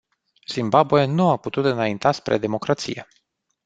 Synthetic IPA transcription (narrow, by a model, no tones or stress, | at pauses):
z̥imbabuenuaput̪ut̪ɨnaint̪aspɾe̞̰d̪e̞mo̞kɾat̪sije̞̰